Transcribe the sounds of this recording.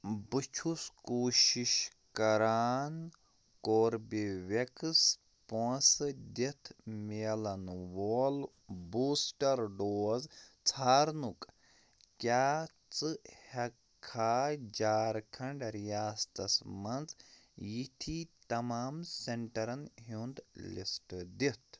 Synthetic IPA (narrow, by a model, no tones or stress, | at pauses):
bɨt͡ʃʰuskoːʃiʃ | kɐɾaːn | koːɾbiʋekɨs | põːsd̪et̪ʰmeːlɐnʋoːl | buːsʈɐɾɖoːzt͡sʰaːɾnuk | kʲjaː | t͡sɨhɐkʰːaːd͡ʒaːɾkʰɐɳɖɾijaːst̪ɐsmɐnd͡z | jit̪ʰit̪ɐmaːmseɳʈɐɾɐnɦund̪lḭsʈd̪it̪ʰ